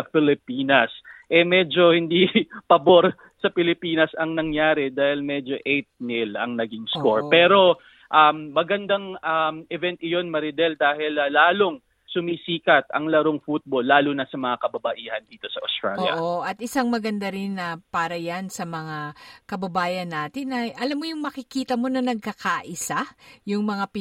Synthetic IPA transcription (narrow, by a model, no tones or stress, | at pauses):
fɪlɪpiːnɐsʔɛmɛd͡ʒo̞hɪnd̪ipɐboɾ | sɐpɪlɪpiːnɐsɐŋnɐŋjaːɾɛd̪aːhɪlmɛd͡ʒo̞ʔɛjt̪̚nɪlɐ̰ŋnɐɡiŋskoɹpɛːɾo̞ | ʔɐmːɐɡɐnd̪aŋamɛvɛnt̪̚ʔɪjo̞nmɐɾɪd̪ɛld̪aːhɪlɐːaːloŋ | sʊmisiːkɐt̪̚ɐŋlɐɾoŋfut̪̚bolːaːlʊnɐsɐmɐŋakɐbɐbɐʔiːhɐnd̪iːt̪o̞sɐʔost̪ɾa̰ljɐ̰ʔoʔɐt̪ʔɪsaŋmɐɡɐnd̪aɾɪnːɐpaːɾɐjansɐmɐŋakɐbɐbaːjɐnːaːt̪ɪnʔɐjʔɐlamːojʊŋmɐkɪkiːt̪ɐmo̞nɐnɐɡ̚kɐkaʔɪsajʊŋmɐŋap